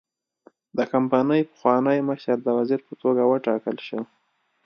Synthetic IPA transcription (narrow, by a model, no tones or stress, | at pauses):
d̪əkampɑnəjpə̥xwɑnəjməʃaɾd̪əwaziɾpət̪oɡawəʈɑkəlʃəw